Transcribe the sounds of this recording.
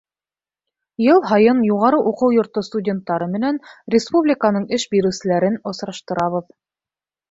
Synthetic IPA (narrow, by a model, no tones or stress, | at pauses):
jɤlˠɦɑjɤnjuʁɑɾɤʔuqɤwjŏɾt̪ost̪udʲe̞nt̪ːɑɾɤmɘ̆nænrʲɪspublʲɪkanɤɴɘʃbiɾɘwsɘ̆læɾɘnŏsɾɑʃt̪ɤ̆ɾɑβɤð